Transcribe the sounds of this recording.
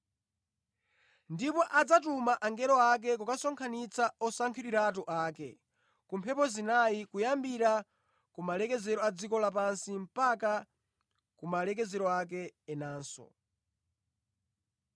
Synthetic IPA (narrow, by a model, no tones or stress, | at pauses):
ndipɔʔad͡zatumaʔaŋɡɛɾɔak̬ɛk̬ukasɔŋkʰanit͡saɔsaŋkʰiɾiɾaːtuʔaːkɛ̰ | kumpʰɛpɔzinaikujambiɾa | kumalɛkɛzɛɾɔad͡zikɔlapansim̩paka | kumalɛk̬ɛzɛɾɔak̬ɛɛnaːnsɔ̰